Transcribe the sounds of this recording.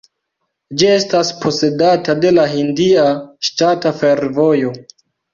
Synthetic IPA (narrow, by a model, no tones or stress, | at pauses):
d͡ʒie̞staspʰo̞se̞datade̞laɦindiaʃtatafe̞ɾvo̞jo̞